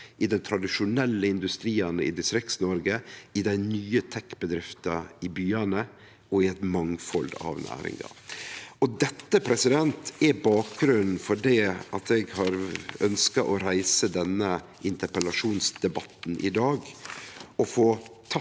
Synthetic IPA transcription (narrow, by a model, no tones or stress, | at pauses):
ʔɪd̪ɛnt̪ʰɾɑd̪ɪʂʊnɛlːəɪnd̪ʉst̪ɾiːɑnəɪ̰d̪ɪst̪ɾɪk̪snɔɾɡəɪd̪æɪnyːət̪ʰɛkːbəd̪ɾɪft̪ɑɪbyːɑnə | ɔɪɛt̪mɑŋfɔld̪ɑ̰ʋnʔæ̰ːɾɪ̰ŋɑ̰ʔɔd̪ɛt̪ːəpʰɾɛsɪd̪ɛnt̪ɛbɑːk̚ɡɾʉnn̩fɔɖɛʔɑt̪ɛɡhɑɾœnskɑʔɔɾæɪsəd̪ɛnːəʔɪnt̪əɾpəlɑʂuːnsd̪ɛbɑt̪n̩ʔɪ̰d̪ɑːɡ | ʔɔfoːt̪ʰɑ